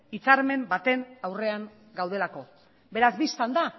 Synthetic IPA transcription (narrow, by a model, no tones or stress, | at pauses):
it͡saɾme̞mbat̪e̞nawre̞aŋ | ɡawð̞e̞lako̞ | be̞ɾazbist̪and̪a